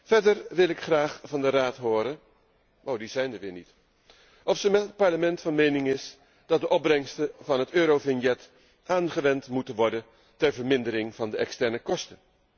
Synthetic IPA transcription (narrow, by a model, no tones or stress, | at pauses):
fɛɹdəɹʋɪlˠɪkχraːχfɑndəraːtɦʊːɾən | owdizɛjndəɹʋɪːɹnit | ʔɔfsəmɛtət̚pɑɹləmɛntfɑnmejnɪŋɪs | d̥ɑt̚dəʔɔb̚brɛŋstəvɑnɦətøːɾowvɪnjɛt | ʔaːnχəʋɛntmutənʋɔɹdən | tɛɹvəɹmɪndəɾɪŋvɑndəʔɛkstɛɹnəkɔstə